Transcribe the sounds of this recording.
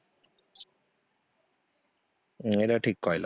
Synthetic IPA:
eɾaʈʰikːɔjla̰

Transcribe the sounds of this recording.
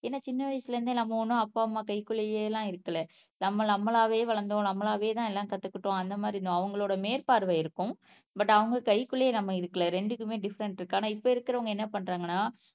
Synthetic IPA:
eːnːaːt͡ʃɪnːɐʋɐɪsɪlɐɾɯnd̪ɯnɐmːɐɔnːɯ̃ɐpːaːmːaːkɐɪkːɯɭɐjelːãːɪɾɯkːɐɭɛ | nɐmːɐnɐmːɐɭaːʋeːʋɐɭɐnd̪õnɐmːɐɭaːʋeːt̪ãːɛlːãːkɐt̪ːɯkːɪʈːõɐnd̪ɐmaːd̪ɾɪnõɐʋɐŋɡɐɭoːɽɐmeːɾpaːɾʋɐɪɾɯkːʊ̃ | bɐʈːɐʋɐŋɡɐkɐɪkːʊɭɐjɐnɐmːɐɪɾɯkːɐɭɐɾɛɳɖɯkːɯmeːɖɪfɐɾɛɳʈɪɾɯkːaːnaːɪpːoːɪɾɯkːɪɾɐʋɐŋɡɐɛnːɐpɐɳːɾaːŋɡɐnːaː

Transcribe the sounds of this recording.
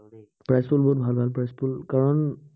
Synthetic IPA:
pɹɛspulbɔɦut̚bʱalbʱalpɹɛspʰulkaɹɔn

